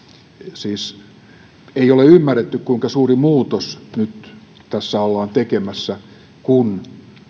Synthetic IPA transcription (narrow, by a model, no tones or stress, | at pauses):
siːs | eioleymːærːet̪ːykkuiŋkɑsuːrimuːt̪osnyt̪ | t̪æsːæolːɑːnt̪ekemæsːæ | kun